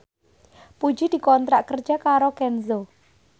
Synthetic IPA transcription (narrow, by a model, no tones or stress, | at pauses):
pu̥d͡ʒid̪̥i̤kɔnt̪ɾaʔkər̥d͡ʒ̥akaɾokɛnzo